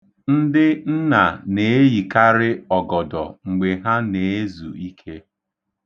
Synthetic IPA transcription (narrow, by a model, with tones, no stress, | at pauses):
n̩˦dɪ˦n̩˦na˨ne˨˦e˦ji˨ka˦ɾɪ˦ɔ˨ɡɔ˨dɔ˨ŋ͡m̩˨ɡ͡be˨ɦa˦ne˨e˦zu˨i˦kʰe˦